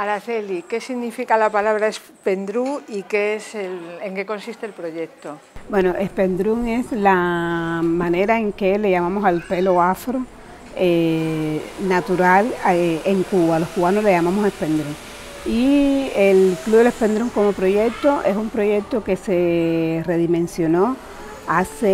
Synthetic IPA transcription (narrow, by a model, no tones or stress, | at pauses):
aɾaθelike̞siɣnifikalapalaβɾaes | pend̪ɾuikeeseleŋkeko̞nsist̪eːlpɾoʝek̚t̪o | bwe̞no̞ʔe̞spe̞nd̪ɾuŋe̞sla | mãne̞ɾae̞ŋke̞le̞ʝamãmo̞salpe̞lo̞afɾo | e | nat̪uɾaleŋkuβalo̞skuβanosle̞ʝamãmose̞spe̞nd̪ɾuŋ | ielkluðele̞spe̞nd̪ɾuŋko̞mo̞pɾo̞ʝek̚t̪o̞ʔe̞sumpɾo̞ʝe̞k̚t̪o̞ke̞se̞re̞ðimẽ̞nsjo̞no̞ | ase